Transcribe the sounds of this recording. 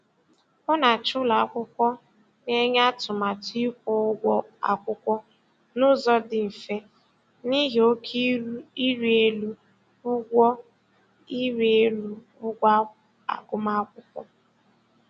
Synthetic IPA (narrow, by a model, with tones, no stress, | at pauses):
ʊ˦na˨t͡ʃʊ˦la˨a˦kʷʊ˦kʷɔ˦ | ne˦ɲ˦a˦tʊ˨ma˨ti˦kʷo˦ʊ˦ɡʷɔ˦a̰˨kʷʊ˦kʷɔ˦ | nʊ˦zɔ˦dɪ˨m̩˨fe˦ | ni˦ɦe˨o˦kʰi˦u˦i˦ɾi˦e˦lu˦ | ʊ˦ɡʷɔ˦ | i˦ɾe˦lu˦ | ʊ˦ɡʷa˦ | a̰˨ɡʊ˦ma˦a˦kʷʊ˦kʷɔ̰˦